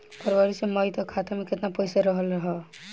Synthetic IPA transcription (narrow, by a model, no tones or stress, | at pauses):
pəɾbaɾiseməjt̪ɔkʰat̪emeket̪napəjsaɾəɦəlɾəɦɛ